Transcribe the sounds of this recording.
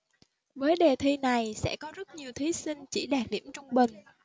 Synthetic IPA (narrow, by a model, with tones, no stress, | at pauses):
vəː˨˦jɗe˨˩t̪ʰi˧na˨˩jsɛ̰˧˥kɔ˨˦zə˦˥t̚ɲi˨˩əwt̪ʰi˨˦si˧ŋt͡ɕḭ˧˩ɗaː˨˩t̚ɗḭ˧˩əmt͡ɕʊ˧ŋ͡mɓï˨˩ŋ̟